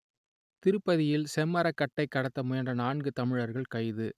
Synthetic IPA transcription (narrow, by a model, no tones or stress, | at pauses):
t̪ɪɾɯpːɐðɪjɪlsɛmːɐɾɐkːɐʈːɐɪkːɐɽɐt̪ːɐmʊjɐndɐnaːɳɡɯt̪ɐmɪɻɐɾɣɐɭkɐɪðɯ